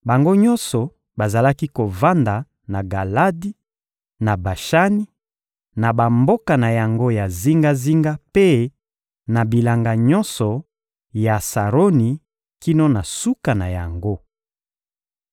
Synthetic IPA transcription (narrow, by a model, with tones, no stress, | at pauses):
ba˨ŋɡo˦ɲɔ˦nsɔ˨ | ba˨za˨la˦ki˦ko˨va˦nda˨ | na˨ɡa˨la˦di˦ | na˨ba˨ʃa˦ni˦ | na˨ba˨mbo˦ka˨na˨ja˨ŋɡo˦ja˨zi˦ŋɡa˦zi˦ŋɡa˦pe˦ | na˨bi˨la˨ŋɡa˨ɲɔ˦nsɔ˨ | ja˨sa˨ʁo˦ni˨ | ki˦no˦na˨su˦ka˨na˨ja˨ŋɡo˦